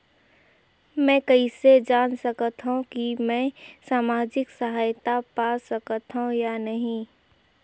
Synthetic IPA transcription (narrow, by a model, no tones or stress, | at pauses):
mɛ̃kɐised͡ʒaːnsɐkət̪ɦũkimɛ̃ːsaːmaːd͡ʒɪksəɦaːjt̪apaːsəkət̪ɦũjanɐɦĩ